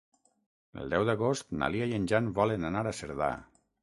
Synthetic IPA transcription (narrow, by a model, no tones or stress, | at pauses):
ə̰lˠd̪ɛwðaɣost̪na̰liajənʲʒanβɔlənanaɾasəɾða̰